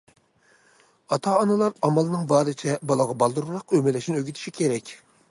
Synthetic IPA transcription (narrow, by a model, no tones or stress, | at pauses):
ɑt̪ʰɑːnɨlˠɑɾɑmɑlˠɨnɨŋbɑːɾɨt͡ʃʰɛbɑlˠɑʁɑbɑlˠd̪uɾuɾɑqømɪlɛʃinɪøɡʲyt̪ʰɪ̥ʃikʲʰeɾɛkʲ